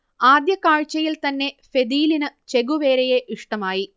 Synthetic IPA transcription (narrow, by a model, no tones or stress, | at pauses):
aːd̪jɐkaːɻt͡ɕːɐjilt̪ɐnːe̞fe̞d̪iːlinɨt͡ɕe̞ɡuʋe̞ːɾeje̞ʔiʂʈɐmaːji